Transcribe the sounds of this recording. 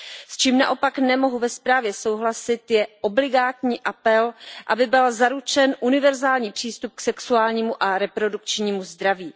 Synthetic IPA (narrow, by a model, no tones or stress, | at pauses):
st͡ʃiːmna̰ʔo̞paknɛmo̞ɦuvɛspɾaːvjɛso̞wɦlasɪt̪jɛʔoblɪɡaːt̪ɲiːʔapɛlʔa̰bɪbɪlzaɾut͡ʃɛnʔunɪvɛɾzaːlɲiːpr̝̥iːst̪up̚ksɛksuaːlɲiːmuʔaɾɛpɾo̞dukt͡ʃɲiːmuzd̪ɾaviː